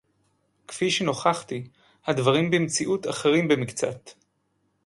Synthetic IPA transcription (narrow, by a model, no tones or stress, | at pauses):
kfiʃeno̞χaχti | hadvaʁimbemt͡siʔutaχeʁimbemikt͡sa̰t̪